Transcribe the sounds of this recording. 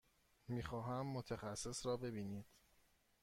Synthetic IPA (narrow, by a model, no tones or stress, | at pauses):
miːxɒːɦæmːot̪ʰexæsːe̞sɾɒːbe̞biːniːd̪̥